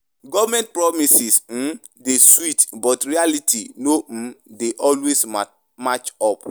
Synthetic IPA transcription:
ɡɔvmɛ̃nt̚pɹɔmisism̩ | deswitbɔtɹialitʰinom̩deʔɔlwes | mat͡ʃɔp

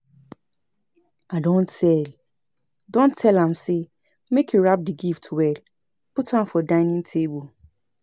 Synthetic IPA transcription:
adɔ̃ntʰɛl | dɔ̃ntʰːɛlãmse | mekʰjuɹap̚diɡiftʰuwɛl | pʊtʰãmfɔdãɪ̃nĩŋtʰebul

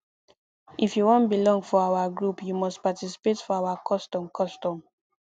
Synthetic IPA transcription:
ʔifjuwɔ̃ntbilɔ̃ŋɡfɔawaɡɹupjumɔstpatisi̥petfɔawakʰɔstɔ̃mkʰɔstɔ̃m

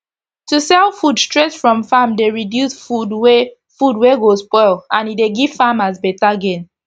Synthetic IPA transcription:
tusɛlˠfudstɹetfɹɔ̃mfamdeɹidjusfudwe | fudweɡospɔɪlˠãnideɡiv̥famazbɛtaɡẽn

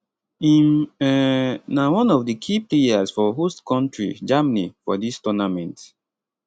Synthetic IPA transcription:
imɛnawɔ̃nɔvdəkʰiplejasfɔɦoskɔ̃ntɹḭd͡ʒamanifɔ̰distɔnamɛ̃nt

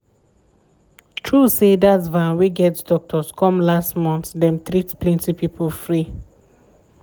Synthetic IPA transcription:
tʰɹusedatvãnwiɡɛtdɔk̚tʰɔskʰɔ̃mlastmɔ̃nθdɛ̃mt̪ɹitplɛ̃ntipipəlfɹi

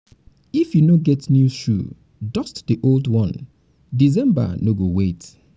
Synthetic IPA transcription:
ifjunoɡɛtnjuʃṵ | dɔstdiʔoldwɔ̃n | dizɛ̃mba̰noɡowet

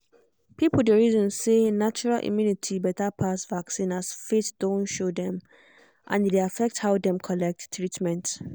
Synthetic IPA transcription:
pipl̩ˠdeɹizɔ̃nsenat͡ʃuɹalʔḭmjunitʰibɛtapʰasvaksĩnasfetd̥õntʃodɛ̃m | ʔã̰ndeafɛk̚thaʊdɛ̃mkʰɔlɛk̚ttʰːɹitmɛ̃nt

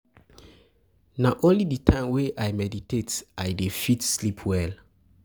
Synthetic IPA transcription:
naʔõnlidətʰãɪmweʔajmɛditetajdefitslipʰwɛl

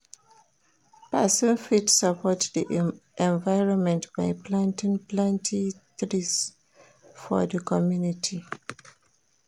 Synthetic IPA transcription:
pasə̃nfitsapʰɔtdiʔʔɛ̃nvaɪɹɔ̃nmɛ̃ntbaɪplãntĩŋplãntʰĩtɹis | fɔ̰dəkʰɔmjunitʰi

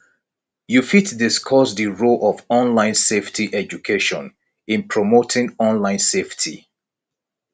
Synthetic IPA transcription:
jufitdɪskʰɔsdiɹolʔɔvɔ̃nlãɪ̃nseftʰiʔɛd͡ʒukʰeʃɔ̰̃n | ɪ̃npʰɹomotʰɪ̃ŋɔ̃nlãɪ̃nseftʰḭ

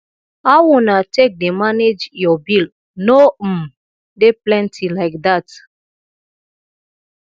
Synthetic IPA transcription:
awunatek̚demaned͡ʒjɔbil | no | deplɛ̃ntʰilaɪk̚dat

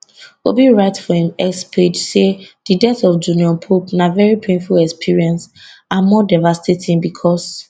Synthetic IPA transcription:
obiɹaɪtfɔĩmɛkspʰed͡ʒsedidɛθɔfd͡ʒuniɔ̃npʰopnavɛɹipʰẽnfulɛkspʰiɹiɛ̃ns | amɔdavastʰetʰĩnbikʰɔs

